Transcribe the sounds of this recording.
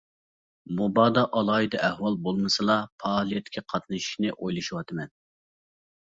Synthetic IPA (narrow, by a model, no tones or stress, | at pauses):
mubɑːd̪ɑʔɑlˠɑːid̪ɨʔɛhwɑlˠbolˠmɨsɨlˠɑpʰɑːlˠijɛt̪ʰːɪ̥kʲʰiqʰɑt̪nɨʃi̥ʃnɪʔojlˠɨʃuwɑt̪ʰɨmɛn